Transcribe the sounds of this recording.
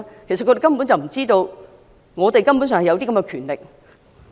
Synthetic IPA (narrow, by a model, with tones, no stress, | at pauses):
kʰe˨˩sɐ˨tkːte˨˩kɐ˥mpu˨˥nt͡sɐ˨wm̩˨˩t͡siː˥t̪o˧w | ŋɔː˨˧t̪e˨jkɐ˥mpuː˨˥ns̬œ˨ŋhjɐ˧t̪iː˥kɐ˧mkɛ˧kʰyː˨˩nlɪ˨k̚